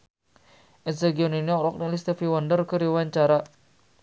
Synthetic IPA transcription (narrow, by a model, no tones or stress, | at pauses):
ʔɛsaɡiɔniniɔɾɔk̚nilist̪efiwandərkəɾiwaɲt͡ʃaɾa